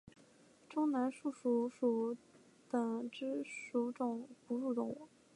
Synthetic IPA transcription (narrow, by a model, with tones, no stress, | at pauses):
ʈ͡ʂʊ˥ŋna˧˥nʂu˥˩ʂu˧˥˩ʂu˨˩ | t̪ɤ˨˩ŋʈ͡ʂɻ̩˥ʂu˧˥ʈ͡ʂʊ˨˩ŋpu˧˥ɻu˥˩ʈ͡ʂʊ˧˥ŋwṵ˧˩˦